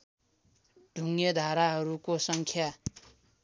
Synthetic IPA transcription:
ɖ̥ʱuŋed̪ʱaɾaɦʌɾukosʌŋkʰja

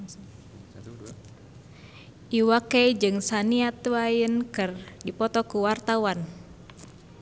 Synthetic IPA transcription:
ʔiwakɛjd͡ʒɨŋsaniat̪uwajənkɨrdipɔt̪ɔkuwart̪awan

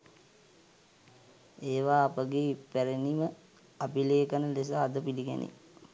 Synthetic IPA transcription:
eːʋaːpəɡeːpæɾenimə | apileːkənəles̬aːd̪əpiliɡɛ̰nʔḭ

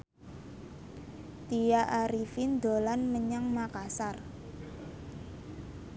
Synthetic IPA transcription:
t̪ijaʔaɾifind̪o̤lanməɲaŋmakasar

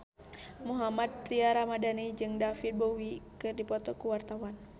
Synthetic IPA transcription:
muɦamad̪̚ɾiaɾamadanid͡ʒɨŋdafit̪̚bowikɨrdipɔt̪ɔkuwart̪awan

